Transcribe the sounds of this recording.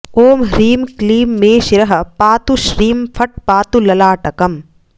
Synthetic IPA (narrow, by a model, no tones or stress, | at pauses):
oːmɦɾiːmkliːmːeːʃiɾɐɦɐpaːt̪uʃɾiːmpʰɐʈ̚paːt̪ulɐlaːʈɐkɐm